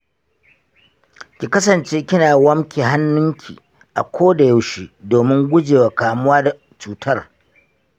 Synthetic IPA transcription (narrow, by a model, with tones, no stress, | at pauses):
kʲi˨kɐ˦sɐ˨nt͡ʃeː˦kʲɪ˦naː˨wɐ˦mkʲiː˨ɦa˦nːʊ˦ŋkʲʰḭː˨ | ʔa̰˨kʷʰoː˦da˨ja˦wʃi˦doː˨mɪ˦ŋɡʷʊ˦d͡ʒeː˨wa˨kaː˨mʊ˦waː˦da˨ | t͡ʃuː˨tʰɐ˦r